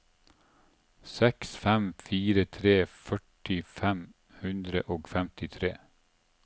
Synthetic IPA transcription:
sɛksfɛmfiːɾət̪ʰɾeːfœʈɪfɛm | hʉnd̪ɾə̰ʔoːɡfɛmt̪ɪt̪ʰɾeː

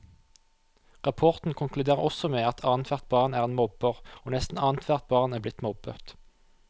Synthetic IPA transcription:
ʁɑpʰɔʁt̪n̩kʰʊŋklʉd̪eːʁəʁɔsɔmeːɑt̪ʰɑːnt̪ʰʋæʁt̪̚bɑːʁnæːʁeːnmɔbəʁoːnɛst̪n̩ɑːnt̪ʰʋæʁt̪̚bɑːʁnæːblɪt̪mɔbət̪

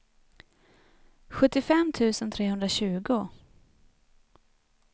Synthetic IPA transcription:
ɧɵt̪ːɪfɛmt̪ʰʉ̟ːsənt̪ʰɾeːɦɵnd̪ɾaɕʉ̟ːɡʊ

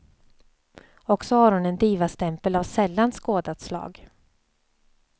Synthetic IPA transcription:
ɔksɔhaɾhʊnɛnd̪iːvast̪ɛmpəlavsɛlːanskoːd̪at̪slɑ̰ːɡ

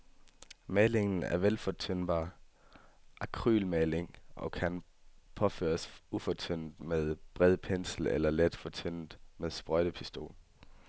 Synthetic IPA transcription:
mɛːle̝ŋn̩æ̰ɐʋelfɒ̽t͡sʰøn̰b̥ɑ̰̈ː | ʔækʰʁy̰ːlmɛːle̝ŋʔɒ̽kʰæn | pʰɒ̽fø̰ːɐsufɒ̽t͡sʰøn̰d̥með̞ˠb̥ʁɛð̰ˠpʰen̰sl̩elɐled̥fɒ̽t͡sʰøn̰d̥meðˠsb̥ʁœɾ̥əpʰisd̥o̝̰ːl

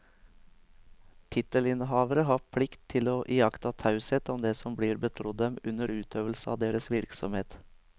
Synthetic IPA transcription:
t̪ʰɪt̪əlɪnɦɑːʋəɾəɦɑːpʰlɪkt̪ʰɪloːʔiːɑkt̪ɑt̪ʰɑʉsət̪ɔmd̪eːsɔmbliːɾbət̪ʰɾʊd̪ɛmʉnəɾʉːt̪ʰøːʋəlsəɑ̰ːd̪eːɾəsʋɪɾksɔ̰mheːt̪

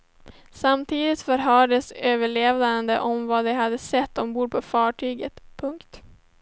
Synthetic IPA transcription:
samt̪ʰiːd̪ɪt̪fœɾɦœːɖəsøːvəɭeːvd̪and̪əʔɔmvad̪ɛɦad̪ːəsɛt̪ːd̪ɔmbuːpʰɔfɑːʈʰyːɡət̪pʰɵŋkt̪

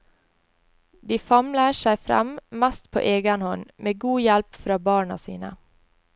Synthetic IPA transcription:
d̪iːfɑmləʃæɪfɾæ̰mmæst̪pʰo̰ːʔeːɡənhɔnmeːɡuːjælpfɾɑːbɑːɳɑ̰sḭːnə̰

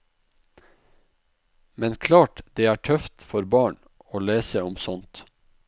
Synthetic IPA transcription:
mɛnkʰlɑːʈd̪̥eːæːʈʰœft̪fɔɾbɑːɳ | oːleːsəʊmsɔnt̪

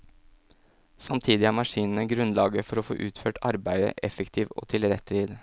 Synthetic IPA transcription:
sɑmt̪ʰiːd̪ɪæːɾmɑʂiːnən̩əɡɾʉnlɑːɡəfɔɾɔfo̰ːʔʉːt̪føːʈʰɑɾbæɪd̪ə̰ʔɛfəkt̪ʰiːʋo̰ːt̪ʰɪlɾɛt̪ːɾiːd̪

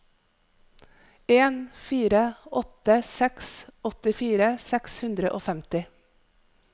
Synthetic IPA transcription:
eːnfiːɾəɔt̪əsɛksɔt̪ɪfiːɾəsɛkshʉnd̪ɾəʔo̰ːfɛmt̪ɪ

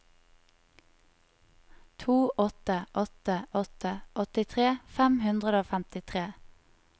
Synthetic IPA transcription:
t̪ʰuːʔɔt̪əʔɔt̪əʔɔt̪əʔɔt̪ɪt̪ʰʁeːfɛmhʉnd̪ʁəd̪əoːfæmt̪ɪt̪ʰʁeː

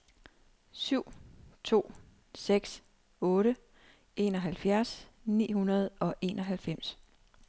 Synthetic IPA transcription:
syʊ̰t͡sʰo̝̰ː | seɡ̥s | ɔ̽ːɾə | e̝ːnɒ̽ɦælfjæɐsnḭːhunɐð̞̩ˠɒ̽ʔe̝̰ːnʔɒ̽ɦælfem̰s

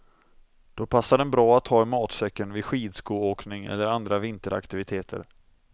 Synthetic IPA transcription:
d̪̥ɔpʰasːaɖɛnbɾɑːat̪ʰːhɑːɛnmɑːt̪sœkːənvɪd̪ɧiːd̪skuːoːknɪŋɛ̰lːəɾand̪ɾavɪnt̪əɾa̰kt̪ɪvɪt̪ʰeːt̪ʰə̰ɾ

